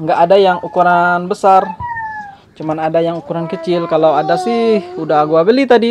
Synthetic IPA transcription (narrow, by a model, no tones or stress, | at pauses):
əŋɡaʔːdajaŋʔukuɾanbəsar | t͡ʃumanadajaŋukuɾankət͡ʃɪlkalawadasɪhudaɡuabəlit̪adi